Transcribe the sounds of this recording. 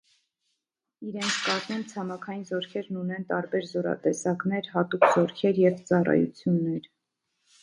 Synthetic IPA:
iɾɛnt͡sʰkɑzmɛmt͡sʰɑmɑkʰɑjinzɔɾkʰɛɾnunɛnt̪ɑɾbɛɾzɔɾɑ̰t̪ɛsɑknɛɾhɑt̪ukz̥ɔɾkʰɛɾjɛvt͡sɑrɑ̰jṵt͡sʰjunːɛɾ

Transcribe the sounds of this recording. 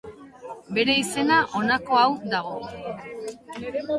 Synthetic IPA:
be̞ɾe̞ise̞naʔo̞nako̞awd̪aɣ̞o̞

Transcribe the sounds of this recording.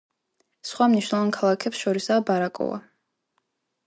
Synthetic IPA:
sχwamniʃwnɛlˠvankʰalˠakʰɛpsʃɔɾisaːbaɾakʼɔ̰va̰

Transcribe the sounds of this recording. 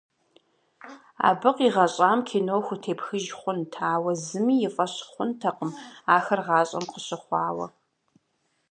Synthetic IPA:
a̰ːbɨqiːʁɐɕʼaːmkʰeːnowxʷʊtʰeːpxɨʒχʷʊntʰaːwɐzɨmiːjɪfʼɐɕχʷʊntʰɐqəmaːxɐrʁɑːɕʼɐ̰mqəɕɪχʷɑːwɐ̰

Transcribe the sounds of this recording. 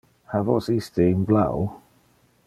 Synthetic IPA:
havɔ̰sistiɪnbla̰w

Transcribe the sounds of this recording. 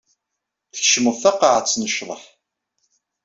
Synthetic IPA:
θəçʃəməðθɑqɑʕət͡sːnəʃðˤəħ

